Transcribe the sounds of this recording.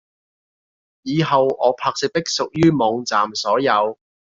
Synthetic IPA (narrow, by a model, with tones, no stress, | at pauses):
jiː˨˧ɦɐ˨wɔː˨˧˥pʰaː˧k̚sɪ˨k̚t̪ɪ˥k̚sʊ˨k̚jyː˥mɔː˨˧ŋt͡saː˨msɔː˨˥jɐ˨˧w